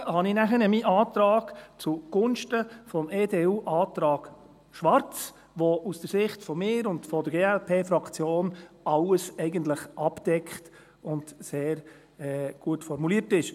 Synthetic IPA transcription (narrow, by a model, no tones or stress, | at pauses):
hɑnɪnæχənəmiːʔɑːt̪ɾɑːɡ̥t͡suɡ̥ʊnʃtəfɔmeːdeːuːʔɑːtɾɑːɡ̥ | ʃʋɑɾt͡s | ʋoʔusd̥əɾsɪχtfɔmɪːɾʊndfɔdəɾɡeːɛlpʰeːfɾɑkt͡sjoːn | ɑləsɛɪɡəntləχʔɑpd̥ɛkχt | ʊndseːɾ | ɛɡ̥uətfɔɾmuliːəɾtɪʃ